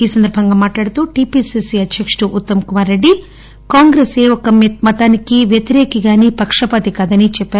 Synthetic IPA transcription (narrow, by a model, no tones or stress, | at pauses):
iːsɐnd̪ɐɾbʱɐŋɡaːmaːʈɭaːɽɐt̪uʈipiːsisiɐd̪ʱjɐkʂʈuʔut̪ːɐmɐkumaːɾːeɖːi | kaːŋɡɾeːseːɔkɐmmɐt̪aːnikiʋjɐt̪iɾɛːkiɡaːnipɐkʂɐpɐt̪ikaːd̪ɐnit͡ʃɛpːaːɾu